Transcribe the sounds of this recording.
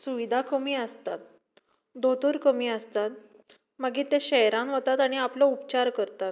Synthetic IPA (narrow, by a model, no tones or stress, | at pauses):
suʋid̪ʱakəmiːəst̪at̪̚ | d̪ot̪uɾkəmiːəst̪at̪̚ | məɡiːt̪ẽɕɛjɾãnʋət̪at̪aɽ̃iaplɔupt͡ɕaɾkəɾt̪at̪̚